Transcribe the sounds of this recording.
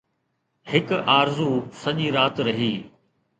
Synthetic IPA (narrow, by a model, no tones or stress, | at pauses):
hɪkaːɾzusɐʄiːɾaːt̪ɾɐɦiː